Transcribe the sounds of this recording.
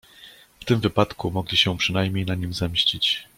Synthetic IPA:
ft̪ɘmvɘpat̪kumɔɡlʲiɕɛpʂɘnajmʲɲejnaɲimzɛmɕt͡ɕit͡ɕ

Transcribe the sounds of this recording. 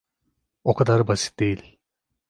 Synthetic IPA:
okʰad̪aɾbasi̥t̪̚d̪e̞jilʲ

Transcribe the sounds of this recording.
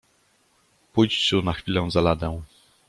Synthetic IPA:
pujt͡ɕɕunaxfʲilɛw̃zalad̪ɛw̃

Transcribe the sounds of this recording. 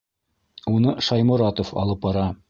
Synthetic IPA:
unɤʃɑjmŏɾɑt̪ofɑ̰lˠɤp̚bɑɾɑ

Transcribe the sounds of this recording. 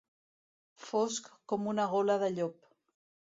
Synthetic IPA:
foskːomunaɣolaðəʎop̚

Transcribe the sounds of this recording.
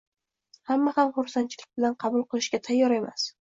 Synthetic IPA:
hamːahamχʊɾsant͡ʃʰlɪk̚bɪlanqʰɑbʊlˠqɨlˠɪʃkʲat̪ʰajːɒɾe̞ma̰s

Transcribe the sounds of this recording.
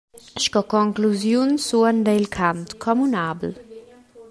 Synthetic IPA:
ʃkɔkɔŋkluzjunsuənd̪ejlkʰant̪kʰɔmunabl

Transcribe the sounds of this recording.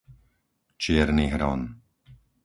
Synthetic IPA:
t͡ʃɪɛɾniːɦɾɔ̰n

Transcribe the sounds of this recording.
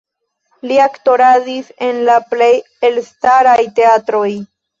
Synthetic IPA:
liakto̞ɾadise̞nlaple̞j | elstaɾajte̞atɾo̞j

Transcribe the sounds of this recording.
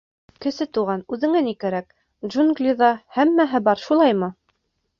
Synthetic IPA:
kɘ̆sɘt̪uʁɑnʉðɘ̆ŋænikæɾæk̚ | ʒunɡlʲiðɑhæmːæɦɘbɑɾʃulˠɑjmɤ

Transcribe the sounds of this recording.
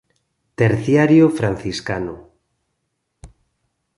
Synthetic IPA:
t̪eɾθjaɾjofɾanθiskano

